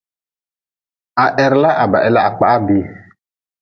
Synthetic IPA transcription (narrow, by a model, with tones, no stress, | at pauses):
a˨ʔɛ˨ɾla˦ʔa˨ba̰˨ʔɛ˦la˦a˨k͡pa˨ʔa˦bi˨˦